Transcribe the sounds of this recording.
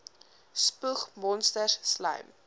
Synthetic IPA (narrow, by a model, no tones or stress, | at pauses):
spuχmɔnstərslɐ̰jm